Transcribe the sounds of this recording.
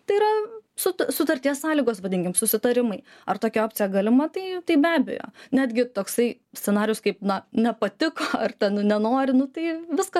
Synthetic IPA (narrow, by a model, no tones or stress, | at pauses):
t̪ɐɪiɾɐsʊt̪sʊt̪ɐɾʲt̪ʲiɛssɑːlʲiːɡoːsʋɐd̪ʲɪŋʲkʲɪmsʊsʲɪt̪ɐɾʲɪmɐɪ | ɐrt̪oːkʲɛoːpʲt͡sʲɪjɛɡɐlʲɪmɐt̪ɐɪt̪ɐɪbʲæːbʲɛ̰jo̰ːnʲæːd̪ʲɡʲɪt̪oːksɐɪ | sʲtt͡sʲɛnɑːɾʲɪjʊskɐɪpnɐnʲɛpɐt̪ʲɪkoːɐrt̪ʲɛnnʲɛnoːɾʲɪnʊt̪ɐɪʋʲɪskɐ